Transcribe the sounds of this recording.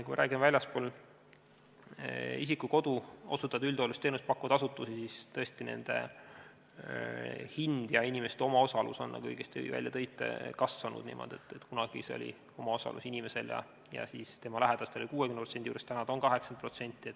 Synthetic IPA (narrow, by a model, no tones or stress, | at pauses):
kuimɑɾæːɡimvælʲjɑspoːl | is̬ikːuko̞d̪uo̞sut̪ːˑɑd̪̥yld̪̥olust̪enust̪̚pɑkːˑuvɑd̪̥ɑsut̪ːˑusisist̪ɤe̞st̪ine̞̰nd̪̥e̞̰ | hind̪̥jɑinʲimest̪o̞mɑo̞sɑlṵso̞nːɑ̰kṵjkest̪væ̰lʲjɑt̪ɤjt̪ːˑḛkɑsvɑnṵd̪̥nḭːmʔo̞̰d̥̪e̞̰t̪ːˑet̪kunɑɡ̥ḭseo̰lʲḭ | o̞mɑo̞sɑ̰lṵsinʲime̞se̞ljɑ̰ | jɑ̰siːst̪e̞mɑlæɦed̪̥ɑst̪eolikuːekymnprosend̪ʲiuːɾest̪ænɑd̪onkɑɦe̞ksɑnd̪̚pro̞t̪se̞nʲt̪ˑːiet̪ː